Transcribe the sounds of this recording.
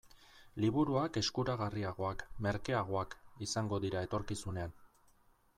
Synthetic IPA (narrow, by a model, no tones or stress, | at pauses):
liβuɾuake̞skuɾaɣariaɣ̞o̞akme̞ɾke̞aɣ̞o̞akisaŋɡo̞ðiɾae̞t̪o̞ɾkisune̞an